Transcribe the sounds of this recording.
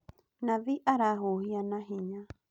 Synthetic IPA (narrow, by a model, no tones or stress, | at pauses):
naβiʔaɾaɦohianaɦiɲa